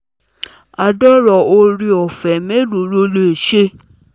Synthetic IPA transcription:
a˨dɔ˦ɾɔ˨o˧ɾi˧ɔ˨fɛ˨me˦lu˨ɾo˧lo˧˦e˨ʃe˦

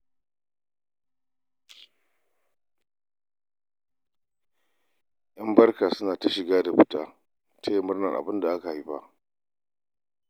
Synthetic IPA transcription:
ʔɐ˦mbɐ˦rkaː˨sʊ˦naː˨ta˦ʃɪ˨ɡaː˦da˨ɸʊ˨taː˦ | tʰa˦je˨mʊ˦rnɐ˨ʔa̰˨bɪ˦nda˨ʔa˦ka˨i˦ɸa̰˦ʔ

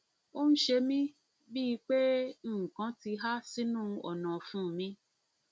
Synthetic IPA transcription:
o˦n̩˦ʃe˧mĩ˦ | bi˦i˧k͡pe˦˨kã˨˦ti˧ɦa˦si˦nũː˦ɔ˨nã˨fũː˦˨mĩ˧˦

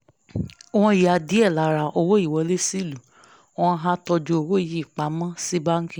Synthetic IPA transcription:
o˨˧w̃ɔ̃˧i˨a˧˨di˨˦ɛ˦˨la˨˦ɾa˨ʔo˧wo˦i˦˨wɔ˨˦le˦si˦˨lũ˨˦ | ɔ̃˧ɦã˦tɔ˧d͡ʒo˧o˧wo˦˨ji˨˦i˨k͡pa˨˦mã˦si˦ba˦ŋ̩˦kĩ˨

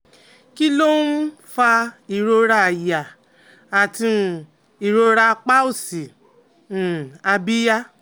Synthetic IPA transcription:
ki˦lo˦n̩˦ | fa˧i˨ɾo˧ɾa˧˨ja˨ | a˨tĩ˧˨ | i˨ɾo˧ɾa˧k͡pa˦o˦˨sĩ˨ | a˧bi˦ja˦

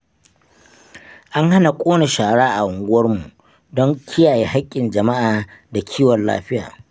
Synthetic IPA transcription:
ʔa˦ŋɦa˦na˨kʷʼoː˦na˨ʃaː˨ɽaː˦ʔa˨ʔʊ˨ŋɡʷʊ˦wɐ˦rmu˨ | dɔ˦ŋkʲʰɪ˦jaː˨je˨ɦa˦kʲʼːɪ˨nd͡ʒɐ˨ma˦ʔaː˨da˨kʲʰiː˦wɔ˨lla̰ː˦ɸɪ˦ja̰ː˨

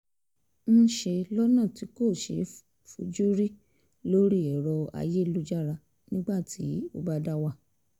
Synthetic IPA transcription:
n̩˦ʃe˧lɔ˦nã˦˨ti˨˦ko˦˨ʃe˨˦ | fu˧d͡ʒu˦ɾi˦ | lo˦ɾi˦˨ɛ˨ɾɔ˧a̰˧je˦lu˦d͡ʒa˦ɾa˧ | nĩ˦ɡ͡ba˦˨tʰi˨˦o˧ba˦da˦wa˦˨

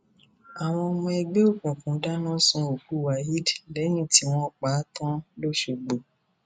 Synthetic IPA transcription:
a˨w̃ɔ̃˧ɔ˧mɔ̃˧ɛ˧ɡ͡be˦o˦˨kũ˨kũ˨˦da˦nã˦sũ˧˦o˨ku˨˦˨wa˨˦ɦi˦dlɛ˨˦j̃ĩ˦˨ti˨˦w̃ɔ̃˦˨k͡pa˨˦tɔ̃˦lo˦ʃe˧ɡ͡bo˨

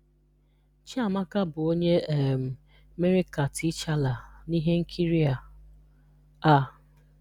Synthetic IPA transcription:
t͡ʃa˦˨ma˦ka˦bʊ˨o˦ɲe˦˨m̩˨ | me˦ɾi˦ka˨ti˦t͡ʃa˦la˨ni˦ɦe˦ŋ̩˦kʰi˦ɾi˦a˨ | a˦˨

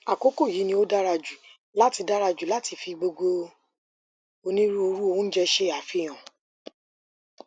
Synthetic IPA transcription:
a˨ko˦ko˦˨ji˨˦nĩ˧˦o˦da˦ɾa˧d͡ʒu˨ | la˦ti˧da˦ɾa˧d͡ʒu˨la˦ti˧fi˧ɡ͡bo˧ɡo˧ | o˧nĩ˦ɾu˦o˧ɾu˦o˧wũ˦d͡ʒɛ˧ʃe˧˨a˨fi˨˧˨j̃ã˨

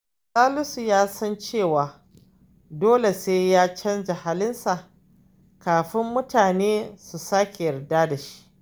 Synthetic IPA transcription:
saː˦lʊ˦su˨jaː˦sɐ˦nt͡ʃeː˦˨waː˨ | doː˦le˨seː˦jaː˦t͡ʃɐ˦nd͡ʒɐ˨ha˦lɪ˦nsa˨ʔ | kaː˨ɸɪ˦mːʊ˦taː˨neː˦su˨saː˦kʲe˨jɐ˨rdaː˦da˨ʃi̥˦ʔ

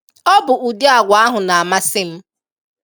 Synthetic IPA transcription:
ɔ˦bʊ˨ʔu˨de˦a˨ɡʷa˨a˦ɦʊ˨na˨a˨ma˦sɪ˦m̩˦

